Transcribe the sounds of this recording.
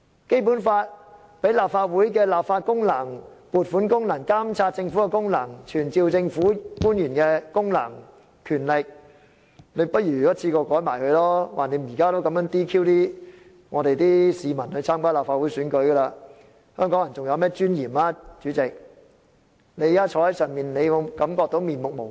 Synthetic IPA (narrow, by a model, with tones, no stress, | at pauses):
ke˥jpuː˨˥nfaː˧t̚ | pe˨˥jlaː˨p̚faː˧t̚wuː˨˥jk̬ɛ˧laː˨p̚faː˧t̚kʊ˥ŋlɐ˨˩ŋ | puː˨˩t̚fuː˨˥nkʊ˥ŋnɐ˨˩ŋkaː˥mt͡sʰaː˧t̚t͡sɪ˧ŋfu˨˥kɛ˧kʊ˥ŋlɐ˨˩ŋt͡ʃʰyː˨˩nt͡siː˧wt͡sɪ˧ŋfuː˨˥kuː˥njyː˨˩nkɛː˧kʊ˥ŋlɐ˨˩ŋ | kʰyː˨˩nlɪ˨k̚ | ne˨˧jpɐ˥t̚jyː˨˩˨jɐ˥t͡sʰiː˧kɔː˧kɔː˨˥jmaː˨˩jhɵ˧ɥlɔː˥waː˨˩ne˨˧˥m̩˨˩jiː˨˩kaː˥t̪o˥wkɐ˨˥mjœː˥ŋt̪iː˥kʰiː˥wt̪iː˥ | ŋɔː˨˧t̪e˨jt̪iː˥siː˨mɐ˨˩nhɵ˧ɥt͡sʰaː˥mkaː˥laː˨˩pfaː˧t̚wu˨˥jsyː˨˥nkɵ˨˥ɥɡɐ˧laː˧ | hœː˥ŋkɔː˨˥ŋjɐ˨˩nt͡sʊ˨ŋjɐ˧wmɛː˥t͡ʃyː˥njiː˨˩maː˧t͡ʃyː˨˥t͡sɪ˨k̚ | ne˨˧jkaː˥t͡ʃʰɔː˧hɐ˨˦˥jsœː˨ŋmiː˨˩nne˨˧jwo˨˧kɐ˨˧˥mkɔː˧k̚t̪o˨˥wmiː˨˩nmʊ˨k̚mo˨˩w